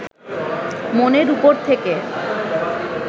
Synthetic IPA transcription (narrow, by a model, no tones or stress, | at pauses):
moneɾupoɾt̪ʰeke